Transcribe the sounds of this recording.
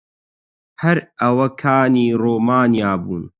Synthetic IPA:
hɐɾɐwɐkʰaːniːroːmaːnijaːbuːn

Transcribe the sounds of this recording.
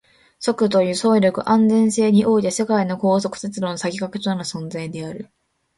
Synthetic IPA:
so̞kɯ̟t̪̬o̞jɯ̟ːso̞ːɾʲo̞kɯ̟̰ʔãnd͡zẽ̞ɰ̃se̞ːɲ̟iʔo̞ːit̪e̞se̞kaino̞ko̞ːso̞kɯ̟̥t̪et͡sɨɾo̞nosaɡʲikakɯ̟t̪onaɾɯ̟sõ̞nd͡zaid̪e̞aɾɯ̟

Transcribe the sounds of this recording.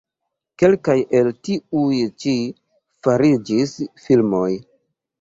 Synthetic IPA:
ke̞lkajʔe̞ltiujt͡ʃi | faɾid͡ʒisfilmo̞j

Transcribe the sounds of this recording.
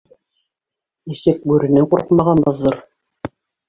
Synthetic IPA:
nisɘk̚bʉɾɘ̆nɘŋquɾqmɑʁɑnbɤ̆zɤɾ

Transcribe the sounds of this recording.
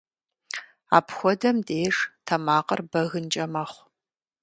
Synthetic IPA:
a̰ːpxʷɔdɐmdʼeːʂtʰɐmaːqɐrbɐɣɨnt͡ʃʼɐmɐχʷ

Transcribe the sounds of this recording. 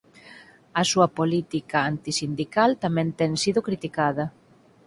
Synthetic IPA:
ɐsuɐpolit̪ikɐant̪isind̪ikalt̪amɛ̃nt̪ɛŋsiðʊkɾit̪ikaðɐ

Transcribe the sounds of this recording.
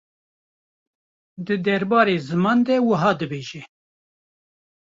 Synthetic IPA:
d̪ɨd̪ɛɾbɑːɾeːzɨmɑːnd̪ɛwəɦɑːd̪ɨbeːʒɛ

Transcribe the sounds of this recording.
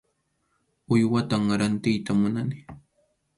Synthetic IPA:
ʊjwat̪aŋɾant̪ɪjt̪amʊnanɪ

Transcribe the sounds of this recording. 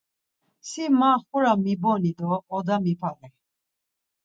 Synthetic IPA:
simaxuɾamibɔnid̪ɔːd̪amipʰalɛ

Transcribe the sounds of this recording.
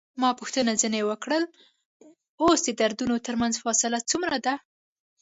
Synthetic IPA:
mɑpʊxt̪ənazənewəkɽəl | osd̪əd̪aɾd̪unot̪əɾmanzfɑsɪlat͡sumɾad̪a

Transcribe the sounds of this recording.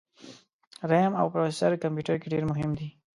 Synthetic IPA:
ɾama̰wpɾofesaɾkampjuʈaɾkeɖeɾmʊɦɪmd̪i

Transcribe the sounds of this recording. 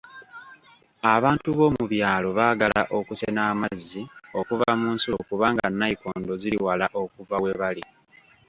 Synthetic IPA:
aβaːntuβo̞ːmuβjaːlo̞βaːɡalaʔo̞kusenaːmazːio̞kuvamuːnsokuβaːŋɡanːaiko̞ːndo̞ziɾiwalaʔo̞kuvawe̞βali

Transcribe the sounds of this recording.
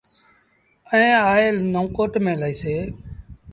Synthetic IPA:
əẽːaːeːlnoːkoːʈmẽːləːiːseː

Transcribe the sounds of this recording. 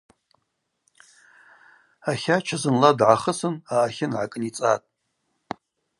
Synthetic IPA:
aχʲat͡ʃʰazɨnladʕaχəsɨnaːχʲɪnʕakʼɨnit͡sʼatʼ

